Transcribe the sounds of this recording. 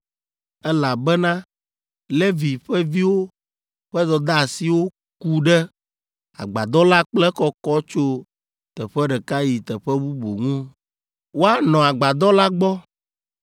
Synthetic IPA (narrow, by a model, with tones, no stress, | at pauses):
ɛ˦la˨bɛ˦nã˦ | lɛ˦vi˨ɸɛ˦vi˦wo˦ | ɸɛ˦d̪ɔ˨d̪a˦˨si˨wo˦ | ku˦ɖɛ˦ | a̰˨ɡ͡ba˨d̪ɔ˦la˦k͡plɛ˦kɔ˦kɔ˦t͡ʃo˦ | t̪ɛ˨ɸɛ˦ɖɛ˨ka˦ji˨t̪ɛ˨ɸɛ˦bu˦bo˨ŋũ˦ | wo˦a˦nɔ̃˨a˨ɡ͡ba˨d̪ɔ˦la˦ɡ͡bɔ˦